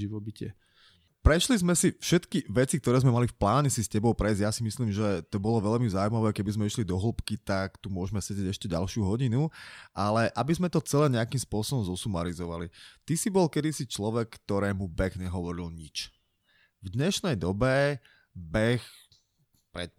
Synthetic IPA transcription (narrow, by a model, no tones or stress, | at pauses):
iʋɔbicɪɛ | pɾɛʃlizmɛsifʃɛt̪kiʋɛt͡sik̚t̪ɔɾɛːzmɛmalifplaːɲɛsiscɛbɔʊpɾɛjzɟjasimisliːmʒɛt̪ɔbɔlɔʋɛʎmizaːuimaʋɛːkɛbizmɛiʃlid̪ɔɦl̩pkit̪akt̪umʊɔʒmɛsɛɟɛɟɛʃcɛɟa̰lʃɪuɦɔɟinuʔalɛʔabizmɛt̪ɔt͡sɛlɛːɲɛakiːmspʊɔsɔbɔmzɔsumaɾizɔʋa̰lit̪isibɔlkɛd̪isit͡ʃlɔʋɛkːt̪ɔɾɛːmubɛɣɲɛɦɔʋɔɾilɲit͡ʃ | vd̪ɲɛʃnɛjd̪ɔbɛ | bɛx | pɾɛt̪̚